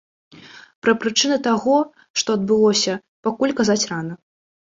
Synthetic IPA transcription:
pɾɐpɾɨt͡ʂɨnɨt̪aɣɔ | ʂt̪ɔɐd̪̚bɨlˠɔsʲɐ | pakulʲkazat͡sʲranɐ

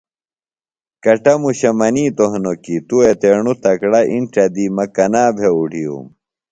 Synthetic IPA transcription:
kɐʈɐmuɕɐmɐniːt̪oɦnokit̪uet̪eɳut̪ɐkɽɐʔiɳʈɐd̪imɐkɐnaːbʱeuɖʱijṵm

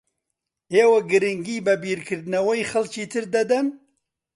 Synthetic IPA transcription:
eːwɐɡɨɾɪŋɡiːbɛbiːɾkʰɨɾd̪ɨnɐwɐjxɐlt͡ʃiːt̪ʰɨɾd̪ɐd̪ɐn

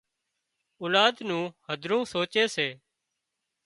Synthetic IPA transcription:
oːlaːd̪nũːhəd̪ʱɾũːsoːt͡ʃeːseː

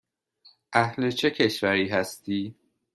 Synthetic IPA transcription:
ʔæhlet͡ʃʰe̞cʰe̞ʃvæɾiːɦæst̪iː

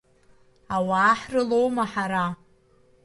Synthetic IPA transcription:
awaːħrɨlo̞wmaħaɾa

